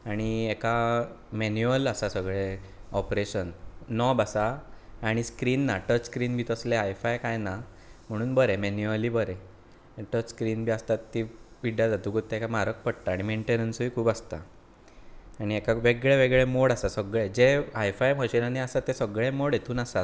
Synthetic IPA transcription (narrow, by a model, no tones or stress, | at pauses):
aɽ̃ieka | menjuəlasasəɡɭeɔpɾeɕənːɔbasaːɽ̃iskɾiːnːaʈət͡ɕskɾiːnbʱiːt̪əsleajfajkajna | m̤əɽ̃uːnbəɾemenuəliːbəɾe | ʈət͡ɕskɾiːnbʱiːast̪at̪ːipiɽjad͡zat̪uːɡʱot̪ːeekamaɾək̚pəɽt̪aːɽimeɳʈenənsəiːkʰuːbast̪a̰ | aɽ̃iekaʋeɡɭeʋeɡɭemoɽasasəɡɭed͡zeajfajmʱəɕinaneasat̪ːesəɡɭemoɽjet̪ʰuːnasat̪